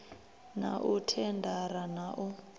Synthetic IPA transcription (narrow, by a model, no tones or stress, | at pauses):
na̰ʔutʰɛndʱaɾanaʔɔ